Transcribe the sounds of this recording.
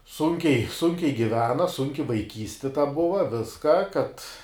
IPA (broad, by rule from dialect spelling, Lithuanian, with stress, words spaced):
ˈsʊŋʲkʲɛɪ ˈsʊŋʲkʲɛɪ ɡʲɪˈʋʲæːnɐ ˈsʊŋʲkʲɪ ʋɐɪˈkʲiːsʲtʲɪ tɐ ˈbʊʋɐ ˈʋʲɪskɐ kɐt